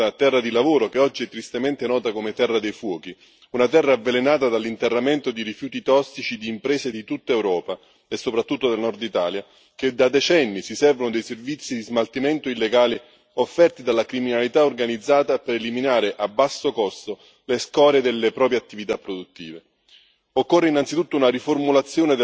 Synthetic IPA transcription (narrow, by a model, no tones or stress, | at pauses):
at̪ɛrːad̪ilavoːɾokeɔd͡ʒːiɛt̪ːɾist̪ement̪enɔːt̪akomet̪ɛrːad̪ejfwɔːk̟i | unat̪ɛrːaːvːelenaːt̪ad̪alːint̪erːament̪od̪iɾifjuːt̪it̪ɔsːit͡ʃid̪iːmpɾɛːsed̪it̪ut̪ːaewɾɔːpa | esːopɾat̪ːut̪ːod̪elnɔrd̪it̪a̰ːlja | ked̪ːad̪et͡ʃɛnːisisɛrvonod̪ejservit̪sːid̪izmalt̪imɛnt̪oilːeɡaːli | ofːɛrt̪id̪alːakɾiminalit̪aorɡanid̪zːaːt̪apeɾeliminaːɾeʔabːasːokɔst̪o | leskɔːɾed̪elːepɾɔːpɾjeat̪ːivit̪apːɾod̪ut̪ːḭːve | okːorːeinːant̪sit̪ut̪ːounaɾiformulat̪sːjoːned̪